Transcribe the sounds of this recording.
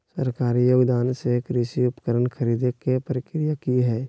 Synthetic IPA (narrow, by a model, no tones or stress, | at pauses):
səɾkaːɾijoːɡd̪aːnsekɾiʃiʊpə̥kəɾənkʰəɾiːd̪ekepəɾɪkɾijakiɦɛː